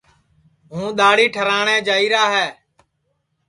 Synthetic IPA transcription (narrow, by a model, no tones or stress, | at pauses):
ɦũːɗ̪aːɽiːʈʰəɾaːɳẽːd͡ʒaːiːɾaːɦɛː